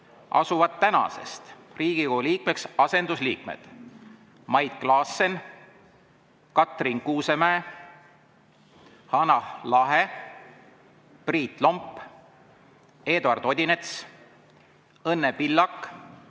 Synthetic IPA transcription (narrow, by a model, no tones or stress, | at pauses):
ʔɑ̰suvɑd̪t̪ːænɑ̰se̞̰st̪riːɡ̥ikouliːkmeksɑse̞nd̪usliːk̚mḛd̪̥ | mɑjd̪̥̚klɑːsen | kɑt̪rinkuːse̞mæe | hɑnɑlɑɦe | priːt̪ˑlo̞mpː | e̞ːd̪uɑrd̪̥o̞d̪ʲinet̪s | ɤnːepilːɑkːˑ